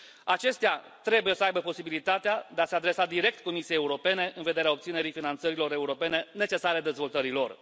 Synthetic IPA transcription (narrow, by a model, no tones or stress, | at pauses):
at͡ʃe̞st̪ea | t̪ɾe̞buje̞səajbəpo̞sibilit̪at̪ead̪ease̞ad̪ɾe̞sad̪iɾe̞k̚t̪ko̞misiejeuɾo̞pe̞ne̞ʔɨnve̞d̪e̞ɾeao̞p̚t̪sine̞ɾijfinant̪səɾilo̞ɾe̞uɾo̞pe̞ne̞ne̞t͡ʃe̞saɾe̞d̪e̞zvo̞lt̪əɾilo̞r